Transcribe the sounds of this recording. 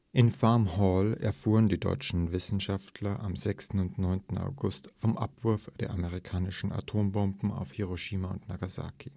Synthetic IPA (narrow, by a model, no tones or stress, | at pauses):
ʔɪnfamhɔːlɛ̰ɐfuːʁəndiːdɔ̰ʏt͡ʃn̩vɪsn̩ʃaftʰlɐʔamzɛkstn̩ʊntnɔʏntn̩a̰ʊɡʊstfɔmʔa̰pv̥ʊɐfd̥eːɐʔaməʁ̞ikʰaːnɪʃn̩ʔa̰tʰoːmbɔmbm̩a̰ʊfhiʁoʃiːmaʊntnaɡaza̰ːkʰi